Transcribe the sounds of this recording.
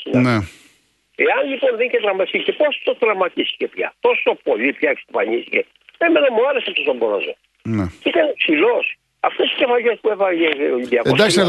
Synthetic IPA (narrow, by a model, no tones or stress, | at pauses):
nene | eɐnʎiponðeɲcet̪ɾɐmːɐsicepost̪ot̪ɾɐmːɐt̪isi̥cepça̰t̪osot̪opolipçake̥st̪opɐʎisice | emenomaɾeseft̪osomboɾo̰zo | neikɐnpsilos | ɐft̪osi̥cefɐʎespuepɐjed̪iɐkosd̪aks